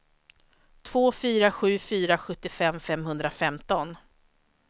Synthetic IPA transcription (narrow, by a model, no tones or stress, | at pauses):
t̪ʰvoːfyːɾaɧʉ̟ːfyːɾaɧɵt̪ːɪfɛmːfɛmhɵnd̪ɾafɛmt̪ɔn